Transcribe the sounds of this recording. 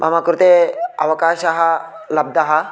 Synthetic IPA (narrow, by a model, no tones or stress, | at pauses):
mʔɐ̰makɾut̪eɐ̰ʋɐkaːʃɐɦɐ | lɐb̚d̪ɐɦɐ